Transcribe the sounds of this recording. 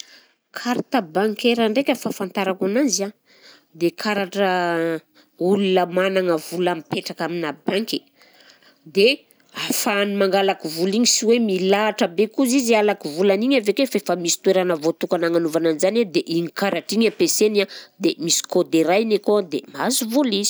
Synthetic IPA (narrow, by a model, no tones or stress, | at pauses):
kʰaɾt̪abaŋkeɾaɳɖ͡ʐekʲəfafant̪aɾakananza | d̪ekʰaɾaʈ͡ʂə | ulunəmanaŋəvulamipeʈ͡ʂakaminabaŋki | d̪e | afanimaŋɡalakivuliɲisiwemilaːʈ͡ʂəbekuzizalakivulaniɲavekefaefamisi̥t̪weɾanəvot̪ukanaŋanuvananizaned̪eʔiɲikaɾaʈ͡ʂiɲapesenad̪emisi̥kod̪eɾajnekod̪ḛmazivulizi̥